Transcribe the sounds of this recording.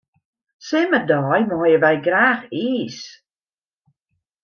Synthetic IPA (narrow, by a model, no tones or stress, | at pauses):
sɛmədɔːjmɔːjəvajɡɾaːχiːs